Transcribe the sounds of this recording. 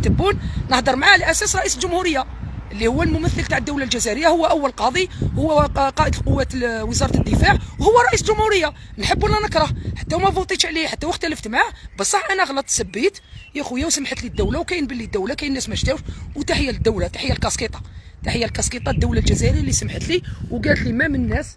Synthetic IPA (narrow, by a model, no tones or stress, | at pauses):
t̪əbːunnəħd̪əɾˤmʕaʕlæʔæsæsɾˤɑʔisəlʒʊmhuɾəjːa | ʔəlːihʊwːælmʊməθːəlt̪aʕəd̪ːəwlalʒæzæɾəjːahʊwːæʔəwːællqɑd̪ˤihʊwːæqɑʔəd̪əlqʊwːæt̪wəzɑɾˤɑt̪əd̪ːəfaʕwhʊwːæɾˤɑʔisəlʒʊmhuɾəjːa | nħəbːælːænəkɾˤɑhħḁt̪ːæwmæbut̪ˤit̪ʕliħat̪ːæwəxt̪æləft̪maʕbəsˤːɑħʔænæɣlət̪ˤːsæbːit̪jæxujːæwsəmħət̪lid̪ːæwlawkæjənbəlːid̪ːəwlakæjənːæsmæʃt̪æfwt̪aħəjːæld̪ːəwlat̪ḁħəjːælkɑsqit̪ˤɑ̥ | t̪aħəjːælkɑsqit̪ˤɑd̪ːəwlalʒæzæɾəjælːisəmħət̪liwɡælət̪limæmənːæs